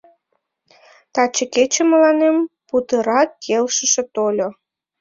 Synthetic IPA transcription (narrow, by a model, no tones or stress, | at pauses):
t̪ɑt͡ɕəket͡ɕĕməlɑnemput̪əɾɑkːelʃəʃĕt̪olʲo